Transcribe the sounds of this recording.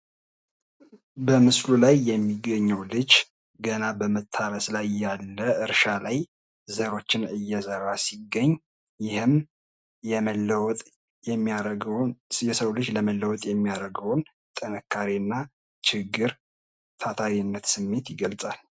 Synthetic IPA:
bəmɨslulajːɛmːiɡəɲːəwlɨd͡ʒ | ɡənabəmət̪ʰːaɾəslajːalːəɨɾʃalaj | zəɾo̞t͡ʃːɪnɨjːɛsəɾasiɡːəɲː | jɪhɨm | ɛ | jɛsəwlɨd͡ʒləməlːəwɔt̪ʼjɛmːijaɾəɡəwn | t̪ʼənəkʰːaɾiɨnːa | t͡ʃʰɪɡːɨɾ | t̪ʰat̪ʰaɾinːət̪sɨmːe̞t̪jɪɡəlt͡sʼal

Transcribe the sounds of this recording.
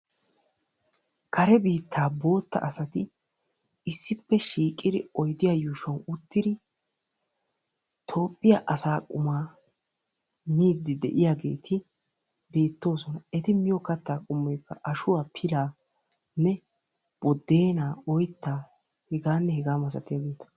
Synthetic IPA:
kʰɐɾɛbiːt̪ːaːbo̞ːt̪ːɐ̰ʔɐsɐt̪ɪ | ɪsːɪpːɛʃiːkʼːɪd̪ɪɔjd̪ɪjajʊʃɐnʊt̪ːɪd̪ɪ | t̪ʰo̞ːpʼːɪjaʔɐsaːkʼʊmaː | miːd̪ːɪd̪ɛ̰ʔɪjaːɡe̞̰ːt̪ʰɪ | be̞ːt̪ːo̞ːsɔnɐɛt̪ɪmɪjɔkɐt̪ːaːkʼʊmːɔjkːɐʔɐʃʊwaːpʰɪlaː | nːɛ | b̥ɔd̪ːe̞ːnaːɔjt̪ːaː | hɛɡaːnːɛhɛɡaːmɐs̬ɐt̪ɪjaːɡeːt̪ɐ̥

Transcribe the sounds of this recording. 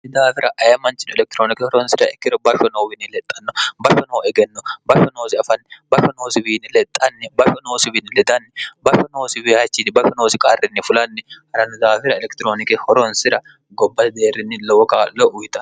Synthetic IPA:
nɪd̪aːfɪɾɐʔɐjɐmɐnt͡ʃːɪnɛlɛk̚t̪ɪɾoːnɪkɛhɔɾɔnsɪɾɐɛkːɪɾɔbɐʃɔnowbɪnːɪlɛt̪ʼːɐnːɔbɐfɔnowɛɡɛnːɔbɐʃɔnoːsɪɐfɐnːɛbɐʃɔnoːsɪbiːnːɪlɛt̪ʼːɐnːɛbɐʃɔnoːsɪbɪnːɪlɛd̪ɐnːɛbɐfɔnoːsɪbɪɐt͡ʃːɪnbɐfɔnoːsɪkʼarːɪnːɪfʊlɐnːɛhɐɾɐnʊd̪aːfɪɾɐɛlɛkt̪ɪɾoːnɪkɪhɔɾɔnsɪɾɐ | ɡɔbːɐt̪d̪eːrːɪnːɪlɔwɔkʼaːlɔʔʊjt̪ɐ

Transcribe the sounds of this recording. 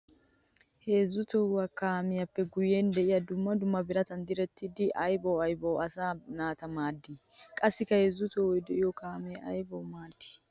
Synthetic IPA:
he̞ːzːʊt̪ɔwɐkaːmɪjɐpːɛɡʊjeːnd̪ɛʔɪjɐd̪ʊmːɐd̪ʊmːɐbɪɾɐt̪ɐnd̪ɪɾɛt̪ːɪd̪ɪʔɐjbowɐjbowɐsaːnaːt̪ɐmaːd̪ːi | kʼɐsːɪkːɐheːzːʊt̪ɔwɔjd̪ɛʔɪjɔkaːmeɐjbowmaːd̪ːɪ̥

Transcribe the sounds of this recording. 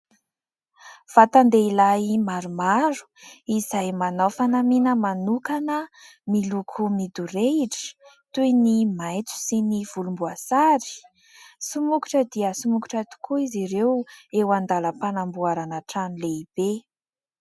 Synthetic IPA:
v̥at̪and̪eilajimaɾumaɾu̥izajmanawfanaminəmanukanə | milukʰumid̪uɾeiʈ͡ʂə̥t̪ujnimajt͡s̪u̥siniv̥ulumbuasaɾi̥ | sumuku̥ʈ͡ʂəd̪iəsumukuʈ͡ʂat̪u̥kʰuiziɾewewand̪aləpanambuaɾanaʈ͡ʂanileib̥e

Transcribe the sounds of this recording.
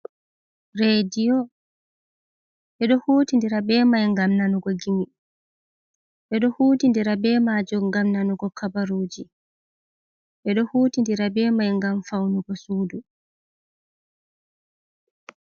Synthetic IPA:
ɾedijɔ | ʔɛɗɔhuːtindiɾabɛːmajŋɡamnanuɡɔɡimi | ʔɛɗɔhuːtindiɾabɛːmaːd͡ʒɔŋɡamnanuɡɔkʰabaɾuːd͡ʒi | ʔɛɗɔhuːtindiɾabɛːmajŋɡamfawnuɡɔsuːdu

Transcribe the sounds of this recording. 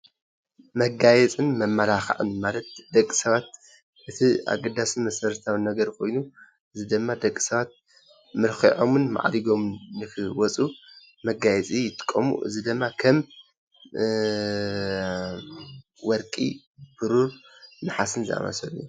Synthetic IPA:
mɐɡajɛt͡sʼɨnmɐmːɐlaxa̰ʕɨ̰nmalɐt̪̚d̪ɐkʼːi̥sɐβat̪̚ | ʔɨt̪ʰia̰ɡɐd̪asimɐsɐɾt̪ʰawɨnɐɡɐɾkʰo̞̰jnu | ʔɨzid̪ɨmːad̪ɐkʼːi̥sɐβat̪̚ | mɨɾxiʕomɨnma̰ʕd̪iɡo̞mnɨkʰɨwɔt͡sʼu | mɐɡajɛt͡sʼijɪt̪ʼɨ̥kʼːɐmṵʔɨ̰zid̪ɨmːakʰɐm | wɔɾkʼḭ | b̥ɨɾuɾnɨħasɨnzɨʔa̰mɐ̰sɐlṵju

